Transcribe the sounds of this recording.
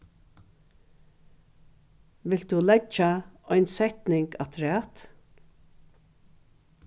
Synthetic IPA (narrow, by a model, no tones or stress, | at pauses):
ʋɪlt̪d̪ulɛt͡ʃaɔjnsɛht̪nɪŋkat̪ʰɾæːt̪